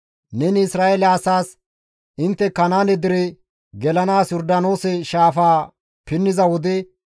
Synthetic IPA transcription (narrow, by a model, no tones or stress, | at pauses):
nɛnɪsɾaːʔelːsaːs | ɪnt̪ːɛkɐnaːnɛd̪ɪɾɛ | ɡɛlɐnaːsjɔɾd̪ɐno̞ːsɛʃaːfaː | pɪnːɪzɐwɔd̪ɪ